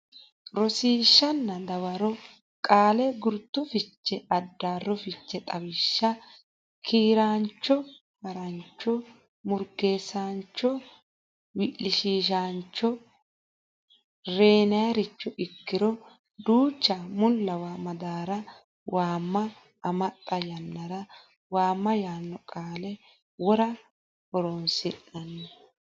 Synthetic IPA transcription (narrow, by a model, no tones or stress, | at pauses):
ɾɔsiːʃːɐnːɐd̪ɐwɐɾɔ | kʼaːlɛɡʊɾt̪ːʊfɪt͡ʃːɛɐd̪ːaːrːɔfɪt͡ʃːɛt̪ʼɐwɪʃːɐ | kʰiːɾaːnt͡ʃːɔ | mɐɾɐnt͡ʃːɔ | mʊɾɡe̞ːsaːnt͡ʃːɔ | wɪʔlɪʃiːʃaːnt͡ʃːɔ | ɾe̞ːnɐjɐɾɪt͡ʃːɔʔɪkːɪɾɔ | d̪uːt͡ʃːɐmʊlːɐwaːmɐd̪aːɾɐ | waːmːɐː | mɐt̪ʼːɐjɐnːɐɾɐ | waːmːɐjaːnːɔkʼaːlɛ | wɔɾɐ | ɔɾonsɪʔːɐnːɐ